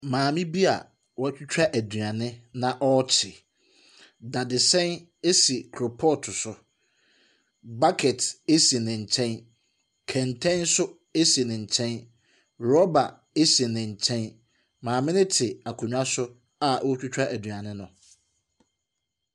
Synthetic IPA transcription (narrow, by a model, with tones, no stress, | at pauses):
mãː˨mɪ̃˦bi˦a̰˨ | wɔ˦t͡ɕᶣʊ˦t͡ɕᶣa˦ʔæ˨dɥa˨nɪ̃˦nã˨ʔɔ˦t͡ɕʰɪ˨ | da˨dɪ˨sɛ̃˦n | e˦si˨kʰɾo˨pʰɔ˦tʰʊ˨sʊ˨ | ba˦kʰɛ˨te˦si˨nɪ̃˨ɲ̩˨t͡ɕʰɛ̃˦n | kʰɛ̃˨ntʰɛ̃˦nsʊ˦ | e˦si˨nɪ̃˨ɲ̩˨t͡ɕʰɛ̃˦n | ɾɔ˦ba˨ | e˦si˨nɪ̃˨ɲ˨t͡ɕʰɛ̃˦n | mãː˨mɪ̃˦nɪ̃˦tʰɪ˨a˨kʰũ˨ɲᶣ˦a˦sʊ˦ | a˦ʔwɔ˦t͡ɕᶣʊ˦t͡ɕᶣa˦ʔæ˨dɥa˨nɪ̃˦nʊ̃˨